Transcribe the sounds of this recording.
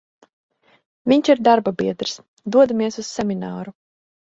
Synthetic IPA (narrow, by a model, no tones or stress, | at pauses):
vʲiɲt͡ʃiɾd̪aɾbabiɛd̪ɾs | d̪uɔd̪amiɛsussɛmʲinaːɾu